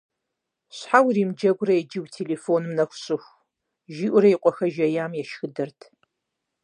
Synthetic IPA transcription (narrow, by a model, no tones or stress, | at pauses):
ɕħawriːmd͡ʒɐɡʷrɐjɛd͡ʒiwtʰeːleːfoːnmnɐxʷʊɕʼɪxʷ | ʒiːʔʷʊɾɐjiqʷʼɔxɐʒɐjaːmjɛʃxɨdɐrtʰ